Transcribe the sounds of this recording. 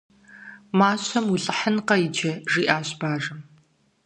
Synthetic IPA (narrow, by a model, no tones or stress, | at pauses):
maːɕʼɐmuɬʼɨħənqɐjɪd͡ʒɐʒiːʔaːɕʼb̥aːʐɨm